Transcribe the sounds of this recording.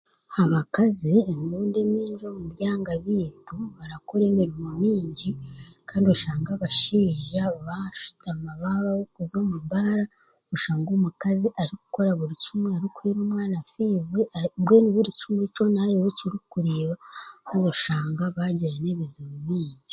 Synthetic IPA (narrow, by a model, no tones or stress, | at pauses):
haβakaziemiuːndemiːɲd͡ʒomuβjaːŋɡaβiːtoβaɾakoɾe̞ːmiɾimumiːɲɟikʰaːndiuʃaːŋɡaβaʃiːʒaβaʃu̥tamaβaβawokuzomubaɾa | oʃaːŋɡomukaziʔaɾiku̥ko̞ɾaβuɾit͡ʃumweaɾikueːɾumwaːnafizibweːniβuɾit͡ʃumwet͡ʃo̞nahaɾiweciɾukuɾeːβakaːndoʃaːŋɡaβaɟiɾene̞βizimuβiːɲɟi